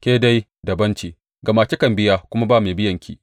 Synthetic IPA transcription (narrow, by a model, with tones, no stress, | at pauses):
kʲeː˦da˦j | dɐ˨bɐ˦nt͡ʃiː˨ | ɡɐ˨maː˨t͡ʃi˦kɐ˨mbɪ˦ja˦kʷʊ˦ma˦baː˦˨meː˨bɪ˦jɐ˨ŋkʲʰḭː˦